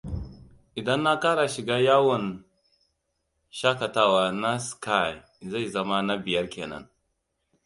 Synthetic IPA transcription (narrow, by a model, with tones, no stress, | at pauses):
ʔɪ˨dɐ˦nːa˦kaː˦ɽa˨ʃɪ˨ɡaː˦jaː˦wɐ˨n | ʃaː˦kɐ˨taː˦waː˨na˦ska˦˨j | za˦˨jzɐ˦ma˦na˦bɪ˨jɐ˦rkʲḛː˨nɐ̰˦n